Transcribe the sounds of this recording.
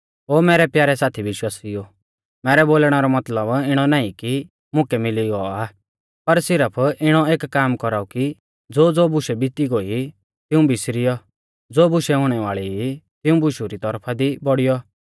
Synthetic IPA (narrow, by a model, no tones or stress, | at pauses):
ɦoːmɛːɾɛpjaːɾɛsaːt̪ʰibɪʃwaːsijo | mɛːɾɛboːlɽ̃aɾɔmɐt̪ləbɪɽ̃ɔnaːĩki | mʊ̃kɛmɪliɡɔa | pɐɾsɪɾəpʰɪɽ̃ɔeːkːaːmkɔɾaːuki | d͡zoːd͡zoːbʊʃɛbɪt̪iɡoːi | t̪ɪũbɪsɾɪjɔ | d͡zoːbʊʃɛɦʊɽ̃ɛʋaːɭit̪ɪũbʊʃuɾit̪ɔɾpʰad̪ibɔɽɪjɔ